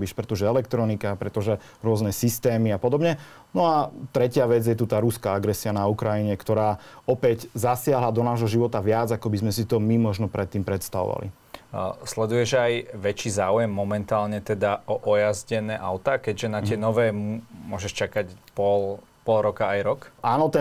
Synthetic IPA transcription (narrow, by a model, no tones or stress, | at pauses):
biʃpɾɛt̪ɔʒɛɛlɛkt̪ɾɔnikapɾɛt̪ɔʒɛ | ɾʊɔznɛsist̪ɛːmiapɔd̪ɔbɲɛ | nɔat̪ɾɛcɪaʋɛd͡zjɛt̪ut̪aːɾuskaaɡɾɛsianaukɾajiɲɛkt̪ɔɾaːɔpɛɟzasɪaɦlad̪ɔnaːʒɦɔʒiʋɔt̪aʋɪad͡zakɔbizmɛsit̪ɔmimɔʒnɔpɾɛt̪ːiːmpɾɛt̪st̪aʋɔ̰ʋa̰lḭ | slɛd̪ujɛʒajʋɛt͡ʃiːzaːujɛmːɔmɛnt̪aːlɲɛt̪ɛd̪aɔʔɔjazɟɛnɛːʔaʊt̪aːkɛɟʒɛnatɪɛnɔʋɛːmumʊɔʒɛʃt͡ʃakacpɔl | pɔlɾɔkaajɾɔkʔaːnɔt̪ɛ